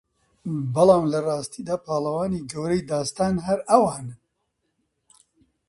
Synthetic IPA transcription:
bɨlɑːmlɐrɑːst̪iːd̪aːpʰɑːlɐwɑːniːɡɐwɾejd̪ɑːst̪ɑːnɦɐɾɐwɑːn

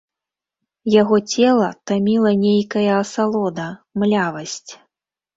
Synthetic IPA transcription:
jaɣɔt͡sʲɛlˠɐt̪amʲilˠɐnʲejkɐjɐːsalˠɔd̪ɐmlʲavɐsʲt͡sʲ

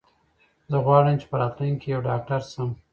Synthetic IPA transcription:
zəɣwɑːɽəmt͡ʃe̥pəɾɑːt̪lujŋkʰejawɖɑːk̚ʈaɾsəm

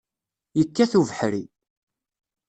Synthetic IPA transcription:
jəkːæθuvəħɾi

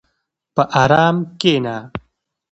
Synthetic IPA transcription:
pɐʔaːɾaːmkeːnaː

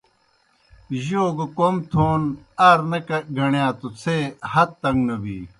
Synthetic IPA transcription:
ʑoːɡokomt̪ʰoːn | aːɾnɐkɐɡʱɐɳjãːt̪ut͡sʰeːhɐt̪ːɐŋɡnɐbḭː

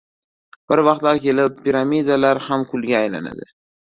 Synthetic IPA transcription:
b̥ɪɾvɑqt̪laɾkʲʰe̞lɪpːiɾamid̪alaɾhamkʰʊlɡʲaːjla̰na̰d̪ɪ

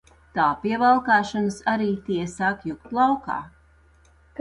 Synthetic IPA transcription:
t̪aːpiɛvalˠkaːʃanɨsaɾiːt̪iɛsaːkjukt̪lˠawka̰ː | k

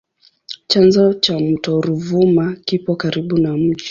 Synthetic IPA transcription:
t͡ʃanzɔt͡ʃamutɔɾuvumakipɔkaɾiɓunam̩ʄi

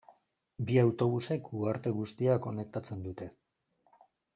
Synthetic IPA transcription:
biawt̪o̞β̞use̞kuaɾt̪e̞ɣust̪iako̞ne̞k̚t̪at͡se̞nd̪ut̪e̞

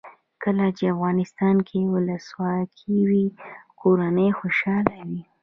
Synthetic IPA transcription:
kəlat͡ʃeafɣɑnɪst̪ɑnkʰewʊləswɑkʰiwikʰoɾanəjxoʃɑlawi

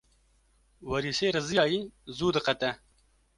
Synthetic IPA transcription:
wɐɾiseɾɐzijɑːjizuːd̪ɐqat̪a

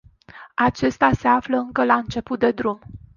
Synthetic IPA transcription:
at͡ʃe̞st̪ase̞afləɨŋkəlaɨnt͡ʃe̞put̪̚d̪e̞d̪ɾum

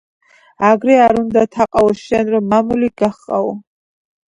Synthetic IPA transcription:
aɡɾɛaɾund̪at̪ʰaqʼaɔsʃɛnɾɔmːamuliɡ̥aχʼa̰ɔ

